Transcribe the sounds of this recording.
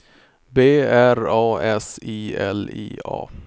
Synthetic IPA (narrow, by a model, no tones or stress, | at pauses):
beːæɾɑːɛsiːɛ̰lḭːɑ̰ː